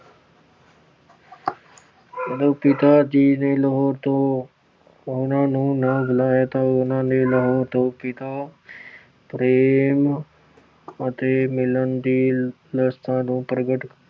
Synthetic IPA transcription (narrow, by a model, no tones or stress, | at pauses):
əd̪oːpɪt̪ad͡ʒiːneləɦoːɾt̪o | ʊnãnũːnəbʊlaːjat̪aʊnãːneləɦoːɾt̪oːpɪt̪a | pɾeːm | ət̪emɪlənd̪iː | ləst̪ãnũːpɾəɡəʈk